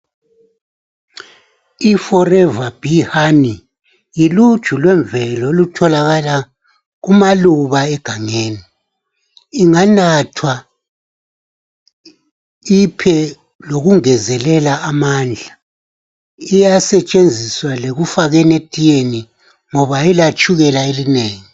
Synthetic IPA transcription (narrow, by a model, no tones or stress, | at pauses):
ifɔrɛvab̥ʱihani | ilud̥ʒ̥ʱulwɛɱvʱɛlɔolutʰɔlaɣala | ɣumaluβaɛɡ̥ʱaŋeːni | ŋanatʰwa | ipʰɛ | loɣuŋɛzɛlɛlaːmaːnd͡ɮʱa | ijasɛt͡ʃʼend͡zʱiswaleɣufaɣɛnetʼijeni | ŋɔβailat͡ʃʼuɣɛlaelineːŋi